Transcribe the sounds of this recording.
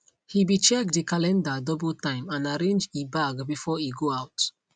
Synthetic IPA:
hibit͡ʃɛkdikalɛ̃ndadɔbltãɪ̃mãnaɹẽnd͡ʒibaɡbifɔiɡoaʊt

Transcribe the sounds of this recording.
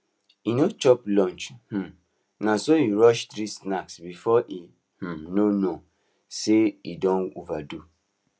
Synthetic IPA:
inot͡ʃɔplɔ̃nt͡ʃh̩ | nãsojuɹɔʃt̪ɾisnaksbifɔʔi | h̩nono | seidɔ̃novadu

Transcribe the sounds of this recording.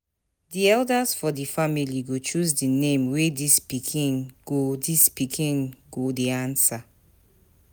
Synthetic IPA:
diɛldasfɔdifamiliɡot͡ʃuzdinẽmwedispikʰĩnɡ̥odispikʰĩnɡodeãnsa

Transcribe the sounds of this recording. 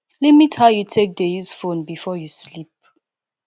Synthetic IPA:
lɛtmithaʊjutʰek̚deuzfõnbifɔjuslip̚

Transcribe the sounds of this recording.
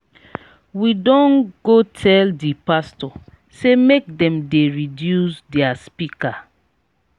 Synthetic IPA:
widɔ̃nɡotʰɛldipastɔ | semek̚dɛ̃mdeɹidjusdɛaspika

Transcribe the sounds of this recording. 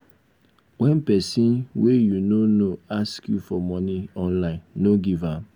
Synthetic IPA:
wɛ̃npɛsĩnwejunonoaskjufɔmɔniɔ̃nlãɪ̃nːoɡivãm

